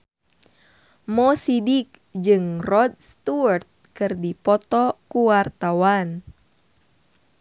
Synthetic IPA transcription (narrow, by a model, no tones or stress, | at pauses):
mɔsidik̚ | d͡ʒɨŋrɔd̚st̪uərt̪̚kɨrdipɔt̪ɔkuwart̪awan